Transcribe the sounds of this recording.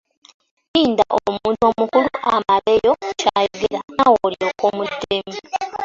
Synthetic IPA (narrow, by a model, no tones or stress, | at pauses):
iːndaʔomuːnto̞mukuluʔamaβe̞jo̞caːjoɡeɾanawoːljokomutːemi